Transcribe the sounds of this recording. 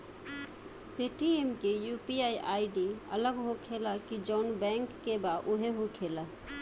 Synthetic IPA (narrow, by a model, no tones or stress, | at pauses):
peʈiemkejupiaiʔaːiɖiə̰ləɡɦokʰelakid͡ʒɔʊnbɛ̃ŋkːebaʔʊɦeɦokʰela